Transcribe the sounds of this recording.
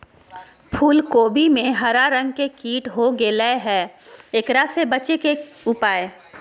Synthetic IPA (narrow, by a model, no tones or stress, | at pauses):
pʰuːlkoːbʱimẽɦɐɾaɾɐ̃ŋɡ̚kekiːʈɦoɡelɛɦɛːekɾasebɐt͡ʃekeʊpaːeː